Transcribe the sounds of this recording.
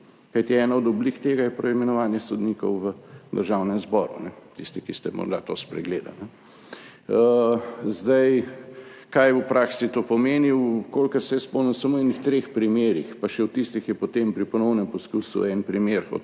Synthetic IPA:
kajt̪iɛːnaɔd̪ɔblikt̪eːɡajɛpɾɐimɛnɔʋaːnjɛsɔd̪niːkɔwʋəd̪əɾʒawnɛmzbɔːɾṵnɛt̪ist̪ikist̪ɛmɔ̰ɾd̪at̪o̰ːspɾɛ̰ɡleːd̪a̰nɛ | zd̪ɐj | kajjɛwpɾʔaksit̪oːpɔmeːniwwkolkəɾsɛjɛspɔnɛnsamoɛnixt̪ɾeːxpɾimeːɾixpaʃɛwt̪ist̪ixjɛpot̪empɾipɔnɔwnɛmpɔskuːsṵɛnpɾimeɾko̰t̪

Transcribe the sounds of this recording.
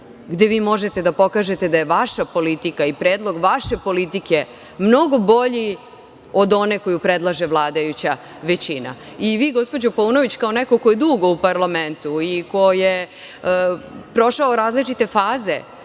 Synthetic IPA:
ɡd̪e̞ʋiːmo̞ʒe̞t̪e̞d̪apo̞kaːʒe̞t̪e̞d̪ajeʋaʃapo̞lit̪ikaipɾeːd̪lˠo̞ɡʋaʃe̞po̞lit̪ike̞ | mno̞ɡo̞bo̞ʎi | o̞d̪o̞ne̞ko̞jupɾed̪lˠaʒe̞ʋlˠaːd̪ajut͡ɕa | ʋet͡ɕina̰iʋiːɡo̞spo̞d͡ʑopolunoʋit͡ɕkao̞nɛko̞ko̞je̞d̪uɡo̞upaɾlˠament̪uiko̞je | pɾo̞ʃaoɾaːzlit͡ʃit̪e̞faːze̞

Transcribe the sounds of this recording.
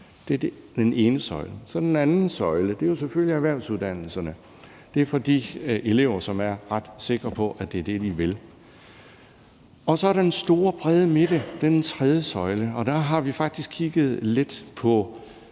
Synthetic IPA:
d̥e̝ɐ̥d̥ene̝ːnəsɒ̽ɪləsɒ̽d̥enænn̩sɒ̽ɪləd̥e̝jo̝s̬efølliæʋæɐʊsuðˠd̥æn̰l̩sɐnə | d̥e̝ɐfɒ̽d̥ḭːʔe̝le̝ʊ̰ɐsɒ̽mæɐʁɑd̥se̝ɡ̥ʁɐpʰɒ̽ʔæd̥e̝ɐd̥e̝d̥iʋe̝l | ɒ̽sɒ̽æɐɾɑ̈d̥ensd̥o̝ːɐb̥ʁɛðˠəme̝d̥əd̥ed̥ent͡sʰʁɛð̞ˠjəsɒ̽ɪləɒ̽d̥æɦɑ̈ʋifɑ̈ɡ̥̚d̥isɡ̥kʰiɡ̥ð̞̩ˠle̝d̥pʰɒ̽

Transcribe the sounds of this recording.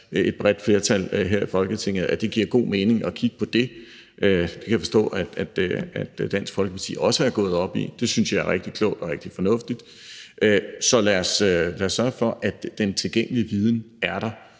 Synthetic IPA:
e̝d̥̚b̥ʁɛd̥fle̝ːɐt͡sʰælɦeɐ̰ifɒ̽lɡ̥ət͡sʰe̝ŋ̰ð̩ˠæd̥e̝ɡ̥iɐ̰ɡ̥o̝̰ːme̝ːne̝ŋɒ̽kʰiɡ̥ə̥pʰɒ̽d̥e̝ | ʔød̥e̝kʰæjfɒsd̥ɔ̰̽ːæ̥æd̥æd̥d̥æn̰sɡ̥fɒ̽lɡ̥ə̥pʰɑ̈t͡sʰḭːɒ̽səæɐɡ̥ɔ̽ːð̞̩ˠɒ̽b̥ḭd̥e̝synsjɑ̈æɐʁeɡ̥̚d̥ikʰlɔʊ̰d̥ɒ̽ʁɛɡ̥̚d̥ifɒ̽nɔ̽fd̥id̥ | ʔøsɒ̽læɐsølæːɐsːɶɐfɒ̽ʔæd̥d̥ent͡sʰe̝lɡ̥eŋ̰əliəʋið̞ˠn̩æɐɾ̥ɑ̈

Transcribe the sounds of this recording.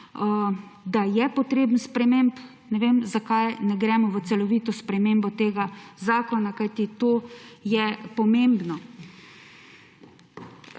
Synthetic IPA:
d̪ajɛpɔt̪ɾeːbən̩spɾɛmemp | nɛʋeːmzakajnɛɡɾɛmɔʋəsɛlɔʋiːt̪ɔspɾɛmeːmbɔt̪eːɡazaːkɔnakajt̪it̪oːjɛpɔmembnɔ

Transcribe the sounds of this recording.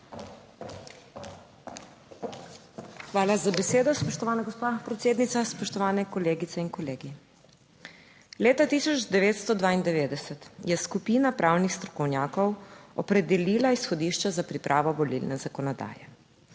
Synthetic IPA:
xʋaːlazabɛseːd̪ɔspɔʃt̪ɔʋaːnaɡɔspapɾɛt̪seːd̪nit̪saspɔʃt̪ɔʋaːnɛkɔleːɡit̪sɛinkɔleːɡi | leːt̪at̪isɔd͡ʒd̪ɛʋeːt̪st̪ɔd̪ʋaːind̪ɛʋeːd̪ɛsɛt̪jɛskupiːnapɾʔawnixst̪ɾɔ̥kɔwnjaːkɔwɔ̰pɾɛd̪ɛliːlaisxɔd̪iːʃt͡ʃazapɾipɾʔaːʋɔʋɔlḭlnɛzakɔnɔd̪a̰ːjɛ

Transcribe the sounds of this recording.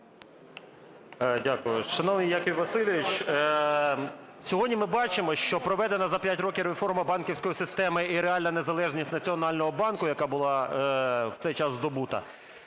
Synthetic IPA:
dʲakʊjʊʃɐnɔʋnɨjːakɪwʲʋɐsɪlʲɪʋʲɪt͡ʃ | sʲɔɦɔdʲnʲimɪbɑt͡ʃɪmɔʃt͡ʃɔpɾɔʋɛd̪enɐzɐpʲjatʲɾɔkʲɪɾefɔrmɐbɑnkʲɪwsʲkɔjisɪst̪ɛmɪiɾeɑlʲnɐne̞zɐlˠɛʒnʲisʲtʲnɐt͡sʲiɔnɑlʲnɔɦɔbɑnkʊjɐkɑbʊlˠɑ | wt̪sɛjt͡ʃɑzd̪ɔbut̪ɐ̰

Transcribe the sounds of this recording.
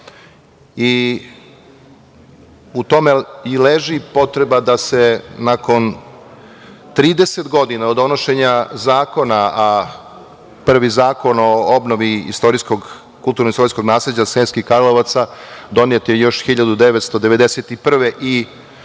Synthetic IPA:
i | ut̪o̞meileʒipo̞t̪ɾebad̪asenako̞n | t̪ɾiːd̪eset̪ɡo̞d̪inaod̪o̞no̞ʃe̞ɲazaːko̞naa | pr̩ʋizaːko̞no̞obnoʋiḭst̪o̞ɾisko̞ɡ | kulˠt̪uɾnoist̪o̞ɾisko̞ɡnaːsled͡ʑasenskixkaɾloʋat̪sad̪o̞niet̪jejo̞ʃxiʎad̪ud̪eʋet̪st̪o̞d̪e̞ʋe̞d̪eset̪ipr̩ʋeʔi

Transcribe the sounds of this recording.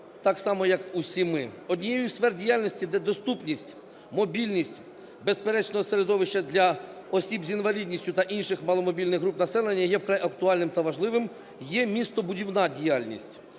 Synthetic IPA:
t̪ɑksɑmɔjɐkusʲimɪɔd̪ʲnʲijɛjʊsfɛrdʲijɑlʲnʲisʲtʲid̪ɛd̪ɔst̪upnʲisʲtʲ | mɔbʲilʲnʲisʲtʲ | bespeɾɛt͡ʃnɔɦɔseɾed̪ɔʋɪʃt͡ʃɐd̪ʲlʲɐɔsʲibzʲinʋɐlʲidʲnʲisʲtʲʊt̪ɐʔinʃɪxmɑlˠɔmɔbʲilʲnɪɣɦɾupnɐsɛlˠenʲːɐjɛwkɾɑjʔɐkt̪ʊɑlʲnɪmt̪ɐʋɐʒlˠɪʋɪm | jɛmʲist̪ɔbʊdʲiwnɑdʲijɑlʲnʲḭsʲtʲ

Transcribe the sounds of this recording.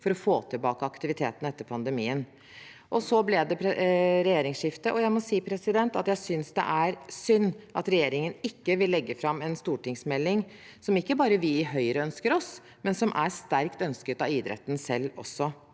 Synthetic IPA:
fɔɾɔfoːt̪ʰɪlbɑːkəɑkt̪ɪʋɪt̪ʰeːt̪n̩ɛt̪ːəɾpʰɑnd̪əmiːən | ʔɔsɔblɛd̪ɛpʰɾɛjeːɾɪŋsʂɪft̪əʔɔjæɪmɔsiːpʰɾɛsɪd̪ɛnt̪ɑt̪jæɪsʏnsd̪ɛ̰ʔæɾsʏnːʔɑt̪ɾɛjeːɾɪŋənɪkːəʋɪlːɛɡːəfɾɑmːɛnst̪uːʈɪŋsmɛlːɪŋ | sɔmɪkːəbɑːɾəʋɪɪɦœʏəɾəœnskəɾɔs | mɛnsɔmʔæɾst̪æɾkt̪œnskət̪ɑiːd̪ɾɛ̰t̪ːn̩sɛlːɔ̰sːɔ

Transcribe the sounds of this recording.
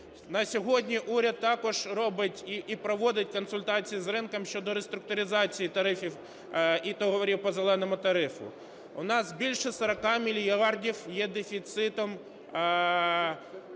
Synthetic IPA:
nɐsʲɔɦɔdʲnʲiʔuɾʲɐd̪t̪ːɑkɔʒɾɔbɪtʲiipɾɔʋɔd̪ɪtʲkɔnsʊlʲt̪ɑt͡sʲijizɾɪnkɐmʃʲt͡ʃɔd̪ɔɾest̪ɾʊk̚t̪ʊɾʲɪzɑt͡sʲijit̪ɐɾɪfʲiw | it̪ɔɦɔʋɔɾʲiwpɔzelˠɛnɔmʊt̪ɐɾɪfʊ̰ | ʊnɑzbʲilʲʃɛsɐɾɐkɑmʲilʲijɑrdʲiwjɛd̪efʲit̪sɪt̪ɔm

